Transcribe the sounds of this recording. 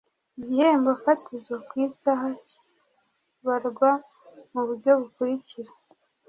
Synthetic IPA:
iɟihembafatizɡakwiːsaɦac | βaɾɡwa | muβuɾɟo̞βukuɾiciɾa

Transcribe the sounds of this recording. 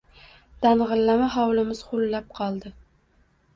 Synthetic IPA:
d̪̥anʁɨlːamaɦɒwlɪmɪz̥χʊlːap̚qʰɒlˠd̪ɪ

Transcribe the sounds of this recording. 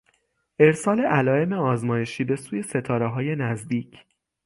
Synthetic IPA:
ʔe̞ɾsɒːle̞ʔælɒːe̞me̞ɒːzmɒːje̞ʃiːbe̞suːje̞se̞t̪ʰɒːɾeɦɒːje̞næzd̪iːcʰ

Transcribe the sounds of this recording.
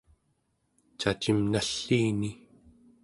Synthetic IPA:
t͡ʃat͡ʃimnaɬːiːni

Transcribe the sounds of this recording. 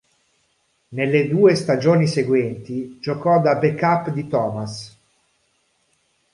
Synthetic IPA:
nelːed̪uːest̪ad͡ʒoːniseɡwɛnt̪id͡ʒokɔd̪abekapːd̪it̪ɔːmas

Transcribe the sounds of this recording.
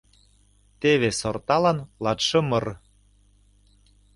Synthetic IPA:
t̪eβesort̪ɑlɑnlɑt̪ʃɤ̆mɤ̆r

